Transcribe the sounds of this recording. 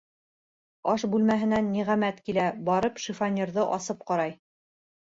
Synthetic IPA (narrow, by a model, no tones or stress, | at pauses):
ɑʃbʉlmæɦɘ̆nænːiʁæmæt̪kilæbɑɾɤpʃifanʲːeɾðɤʔɑsɤp̚qɑɾɑj